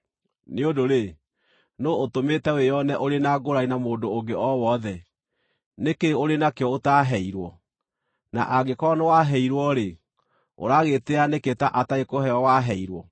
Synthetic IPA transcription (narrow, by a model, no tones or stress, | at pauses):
neodoɾe | nootometɛwejɔnɛʔoɾenaɡoɾainamoːdooŋɡeʔɔwɔðɛ | nekeoɾenakeɔotaɦɛiɾwɔ | na̰ʔaɡekɔnewaɦɛiɾwɔɾe | o̰ɾaɣeteaneketaʔataekoɦɛɔwaɦɛiɾwɔ